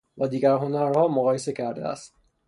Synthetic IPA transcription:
væd̪iːɡæɾɦo̞næɾhɒːmoɣɒːje̞se̞cʰæɾd̪eæ̰st̪

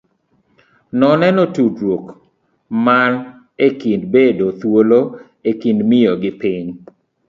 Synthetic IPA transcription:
nɔnɛnɔtudɾwok | man | ekindbedot̪wolo | ekindmɪjɔɡɪpiɲ

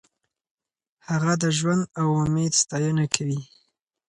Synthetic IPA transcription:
haɣad̪əʒwand̪awʊmed̪st̪ɑjənakʰawi

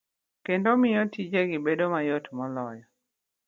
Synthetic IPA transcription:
kendomɪjɔtid͡ʒeɡɪbedomajotmɔlɔjɔ

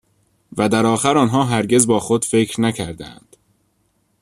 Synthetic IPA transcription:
væd̪æɾɒːxæɾɒːnɦɒːɦæɾɟe̞zbɒːxod̪̥fe̞cʰɾnæcʰæɾd̪æ̰nd̪̥

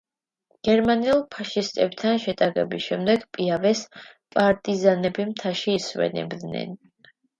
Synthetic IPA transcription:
ɡ̥ɛɾmaniulˠpʰaʃist̪ʼɛb̚t̪ʰanʃɛt̪ʼaʁɛ̰bisʃɛmd̪ɛɡpʼiavɛspʼaɾt̪ʼizanɛbimt̪ʰaʃiːswɛ̰nɛ̰bd̪nɛ̰n

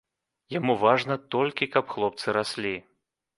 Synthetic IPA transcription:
jamuvaʐnɐt̪ɔlʲkʲikɐpxlˠɔp̚t̪sɨɾasʲlʲi

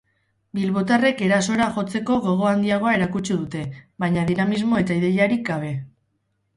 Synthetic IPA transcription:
bilβo̞t̪are̞ke̞ɾaso̞eɾaʝo̞t͡se̞ko̞ɣo̞ɣ̞o̞and̪iaɣ̞o̞ae̞ɾakut͡ʃuðut̪e̞βajɲaðinamizmo̞e̞t̪aiðe̞jaɾikɡaβe̞

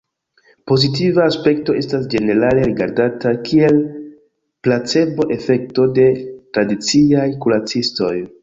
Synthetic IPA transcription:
po̞zit̬ivaːspe̞kto̞e̞stasd͡ʒe̞ne̞ɾale̞ɾiɡa̰ɾdatakʰie̞l | plat͡se̞bo̞ʔe̞fe̞k̚to̞de̞tɾadit͡siajkulat͡sisto̞j

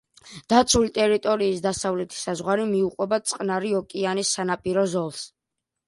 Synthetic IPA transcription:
d̪̥at̪sʰulit̪ʼɛɾit̪ʼɔɾiːsd̪asavlɛt̪ʰi̥sazʁwaɾimiuqʼwɛbasʼqʼnaɾiɔkʼianisːanapʼiɾɔzɔlˠs

